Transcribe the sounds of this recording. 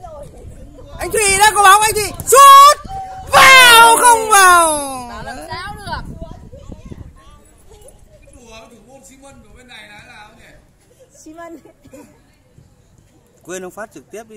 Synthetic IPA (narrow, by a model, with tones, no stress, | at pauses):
ʔa˧jŋ̟t̪ʰwḭ˧˨ɗaː˧˥kɔ˨˧˦ɓaː˨˦wjŋt̪ʰwḭ˧˨su˦˥t̚vaː˨˩wxə˧wŋ͡mvaː˨˩w | ək̚ | nsi˨˦mə˧nvɨ˨˩ɓe˧nːa˨˩jna˨˩la˨˩˧ | kwe˧nhə˧wŋ͡mfaː˦˥t̚t͡ɕɨ˨˩k̚t̪i˦˥əp̚i˧